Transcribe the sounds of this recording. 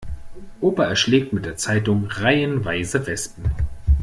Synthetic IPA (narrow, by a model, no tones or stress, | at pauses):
ʔoːpɐɛɐʃlɛːk̚tmɪt̚d̥eːɐt͡saɪtʊŋʁaɪənvaɪzəvɛstn̩